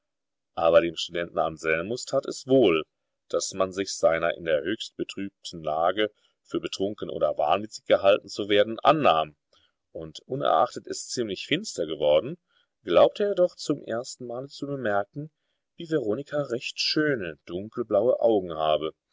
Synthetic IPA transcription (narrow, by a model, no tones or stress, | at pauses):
ʔaːβɐdeːmʃtudɛntn̩a̰nzɛlmʊstʰaːtɛsv̥oːl | d̥asmanzɪçz̥aɪnɐ̰ʔɪ̰ndeːɐhøːçst̚b̥ətʁ̥yːp̚tʰn̩laːɡə | fyːɐbətʁ̥ʊŋkn̩ʔo̰ːdɐva̰ɐnvɪt͡sɪ̥çɡ̥əɦaltn̩t͡suveːɐdn̩ʔa̰nːaːm | ʔʊntʔʊnɛ̰ɐʔa̰χtətʔɪst͡siːmlɪçfɪnstɐɡəvɔɐdn̩ | ɡ̥laʊp̚tʰəeːdɔχt͡sʊmʔḛːɐstn̩maːlət͡subəmɛɐkŋ̩ | viːvɛʁ̞oːnɪkʰaʁɛçtʃøːnəd̥ʊŋkl̩blaʊəʔaʊɡŋ̩haːbə